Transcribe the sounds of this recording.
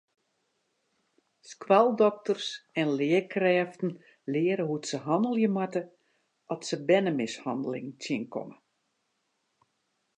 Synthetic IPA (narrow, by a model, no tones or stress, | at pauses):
skwalˠdɔk̚tərsɛnlɪəkrɛːftn̩ | lɪəɾəɦutsəɦɔndəlˠjəmatə | ɔtsəbɛnəmɪshɑndəlɪ̰ŋtʰjɪnkʰɔ̰mə